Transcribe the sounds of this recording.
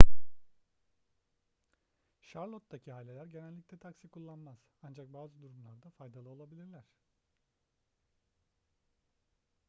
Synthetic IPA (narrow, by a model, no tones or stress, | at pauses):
ʃaɾlˠot̪̚d̪acʰiɦaːlʲelʲæɾɟe̞nælʲːiclʲɛt̪ʰaksikʰulˠːanmaz̥and͡ʒak̚baːzɯd̪uɾumlˠaɾd̪afajd̪alˠɯo̞lˠabilʲiɾlʲæɾ̝̥